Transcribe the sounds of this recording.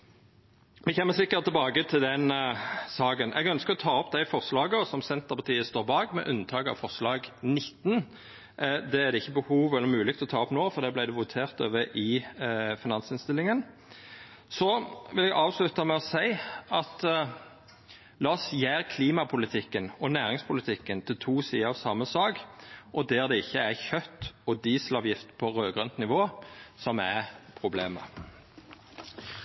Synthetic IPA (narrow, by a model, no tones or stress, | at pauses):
ʋɪçɛːmːəsɪkːəɾt̪ɪlbɑːɡət̪ʰɪld̪ɛnsɑːɡənʔɛ̰ɡœnskəʁɔt̪ʰɑːɔp̚d̪æɪfɔʁslɑːɡəɔsɔmsɛnt̪əʁpʰɑʁt̪ʰiːəst̪oːʁbɑːɡmɛ̰ʔʉnt̪ʰɑːkɑ̰ʋfɔʁslɑːɡnɪt̪ːn | d̪ɛæd̪ɛɪçːəbəhuːʋɛlːəɾmʉːlɪkt̪lɔt̪ʰɑːɔpnoːfɔʁd̪ɛblæɪd̪ɛʋʊt̪ʰeːʁt̪ø̰ːʋəʔɪfɪnɑnsɪnst̪ɪlːɪŋən | sɔʋɪlɛɡɑːʋslʉt̪ɑmɛɔsæɪɑt̪ | lɑːsjæːʁkʰliːmɑpʰʊlɪt̪ʰɪkːənɔnæːʁɪŋspʰʊlɪt̪ʰɪkːənt̪ʰɪlt̪ʰuːsiːəɑʋsɑmːəsɑːɡʔɔd̪eːʁd̪ɛɪçːəæʁçœt̪ːɔd̪iːsəlɑʋjɪft̪pʰɔʁøːɡʁœnt̪nɪʋoːsɔmæpʰʁʊbleːmə̰